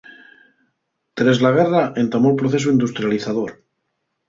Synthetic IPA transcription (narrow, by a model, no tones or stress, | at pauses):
t̪ɾezlaɣ̞eraʔe̞nt̪amolpɾoθe̞s̬uind̪ust̪ɾjaliθaðoɾ